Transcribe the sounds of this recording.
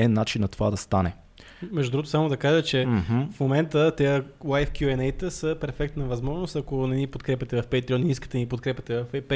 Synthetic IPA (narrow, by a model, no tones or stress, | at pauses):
ɛnːat͡ʃinːɐt̪ovad̪ɐst̪anɛ | mɛʒd̪ud̪ɾuɡot̪osamod̪ɐkaʒət͡ʃɛfmomɛnt̪ət̪ɛjəwajfkʲjuɛnɛjt̪əsəpɛɾfɛk̚t̪nəvɐzmɔʒnost̪ɐkonɛnipot̪kɾɛpʲɐt̪ɛvɐfpɛjt̪ɾiɔniiskə̥t̪ɛnipot̪kɾɛpʲjɐt̪ɛvɐfɛpɛ